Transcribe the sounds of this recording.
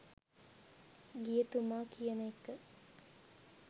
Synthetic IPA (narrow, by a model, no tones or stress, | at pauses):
ɡijət̪umaːkʰijənəekːə